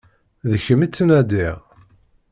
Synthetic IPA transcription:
ðəçəmit͡sːənæd̪iʁ

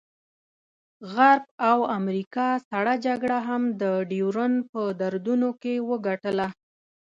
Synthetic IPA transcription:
ɣaɾbawamɾikɑsaɽad͡ʒaɡɽaɦamd̪əɖiwɾənpəd̪aɾd̪unokewəɡaʈəla

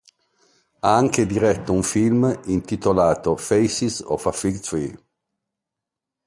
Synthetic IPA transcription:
aaŋked̪iɾɛt̪ːouɱfilmint̪it̪olaːt̪ofejsisɔ̰fafiɡt̪ɾi

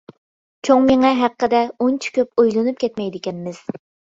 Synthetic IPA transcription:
t͡ʃʰoŋmeŋɛɦæqːəd̪ɛont͡ʃʰi̥kʲʰøpojlˠɨnup̚kʲʰɛt̪mɛjd̪ɪkʲɛnmɪz̥

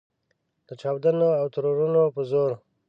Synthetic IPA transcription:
d̪̥ət͡ʃaːwd̪anoawt̪aɾoɾunopəzoɾ

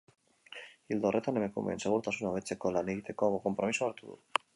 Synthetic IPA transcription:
ild̪orʔet̪anemekṵmḛnseɣuɾt̪asunaβet͡sekolaniɣit̪ekomokompɾomisoaɾt̪uðṵ

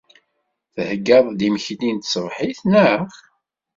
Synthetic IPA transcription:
θəhɡːɑðˤd̪iməçlint̪səvħiθnəχ

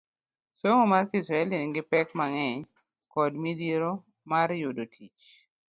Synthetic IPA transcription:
soŋomarkisɾaɛlinɡɪpɛkmaŋɛɲ | kɔdmidiɾo | maɾjodotʰit͡ʃ

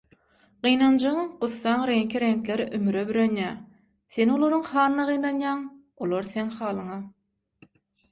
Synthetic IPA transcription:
ɢ̥ɯjnɑnd͡ʒɯɯɴquθːɑɴɾe̞ŋkʰiɾe̞ŋklʲe̞ɾiʔymyɾebyɾønjæ | θe̞no̞lˠoɾuɴχɑːnɯnɑʁɯjnɑnjɑːŋ | olˠoɾθe̞ŋχɑːlˠɯɴɑ

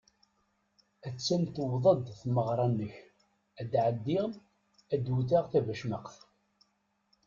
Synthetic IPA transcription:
æt͡sːæmt̪wðˤəd̪θməʁɾˤɑnːəç | æd̪ʕəd̪ːɪʁ | æd̪wuθaʁθævæʃməqθ

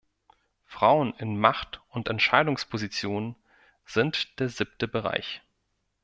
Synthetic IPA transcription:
fʁ̥aʊənɪnmaχtʊntɛntʃaɪdʊŋspʰozit͡sjoːnən | z̥ɪntd̥eːɐzip̚təbəʁa̰ɪç

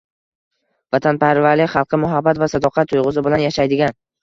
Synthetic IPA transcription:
vat̪ʰanpaɾvaɾlɪχɑlˠqʰɨmʊɦabːat̪vasad̪ɒqʰɑt̪ʰːʊjʁʊzɪbɪlanjaʃajd̪ɪɡʲan

